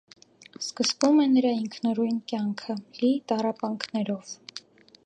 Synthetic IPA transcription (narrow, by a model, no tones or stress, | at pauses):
skəsvumɛnəɾɑiŋkʰnɔɾujnkjɑŋkʰəlit̪ɑrɑpɑŋkʰnɛɾɔv̥